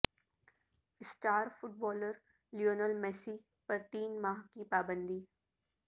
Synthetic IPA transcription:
ɪsʈaːɾfʊʈ̚bɔːləɾ | lioːnəlmɛːsi | pɐɾt̪iːnmaːɦkipaːbə̃nd̪iː

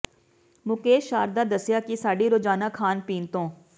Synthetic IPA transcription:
mʊkeːʃaːɾd̪aːd̪əsɪjaːkiːsaːɖiːɾoːd͡ʒaːnaːkʰaːnpiːnt̪õː

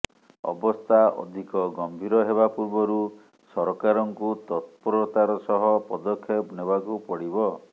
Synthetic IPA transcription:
ɔ̰bɔst̪ʰaʔɔ̰d̪ʱikɔɡɔmbʱiɾɔɦebapuɾbɔɾu | sɔɾɔkaɾɔŋkut̪ɔt̪̚pɔɾɔt̪aɾɔsɔɦɔpɔd̪ɔkʰːjɔpnebakupɔɽibɔ

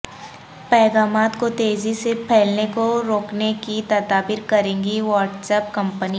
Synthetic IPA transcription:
pɛːɡaːmaːt̪kot̪eːzisepʰɛːlnekoɾoːknekit̪ɐd̪aːbɪɾkɐɾẽːŋɡiʋɔːɾʈsɛːp̚kɐ̃mpəni

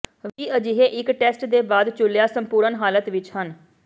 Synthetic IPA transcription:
ʋiːəd͡ʒɪɦeːʔɪkʈɛːsʈd̪eːbaːd̪t͡ʃʊlejaːsəmpuːɾənɦaːlət̪ʋɪt͡ʃhən

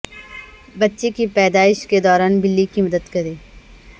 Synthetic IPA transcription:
bɐtːʃekipɛːd̪aːɪʃked̪ɔːɾaːnbɪlːikimɐd̪əd̪kɐɾeː

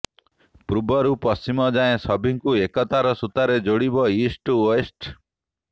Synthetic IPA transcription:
pɾubɔɾupɔst͡ʃimɔd͡ʒaẽsɔbʱiŋkuekɔt̪aɾɔsut̪aɾed͡ʒoɽibɔisʈuesʈ

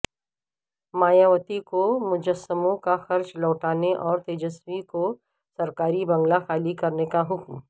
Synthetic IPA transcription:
maːjaʋət̪ikomʊd͡ʒəsəmõkaxɐɾt͡ʃlɔːʈaːneʔɔːɾt̪eːd͡ʒəswiko | sɐɾkaːɾibɐ̃ŋɡlaxaːlikɐɾnekaɦʊkm

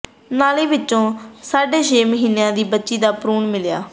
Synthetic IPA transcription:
naːliːʋɪtːt͡ʃːõːsaːɖeːʃeːməɦiːnejãːd̪iːbətːʃiːd̪aːpɾuːɳmɪlja̰ː

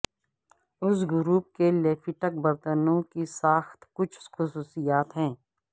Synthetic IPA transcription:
ʊs̬ɡʊɾuːp̚keleːfʰiʈək̚bɐɾt̪ənõkisaːxt̪kʊt͡ʃʰxʊsuːsijaːt̪ɦɛ̃ː

